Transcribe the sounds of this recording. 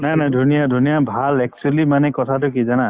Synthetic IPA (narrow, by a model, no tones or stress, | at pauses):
najnajdʱunijadʱunijabʱalɛk̚slimanɛkɔtʰatʊk̬izana